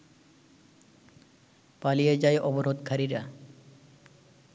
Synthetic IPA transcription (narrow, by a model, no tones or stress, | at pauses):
palijed͡ʑaeʔɔboɾod̪kʰaɾiɾa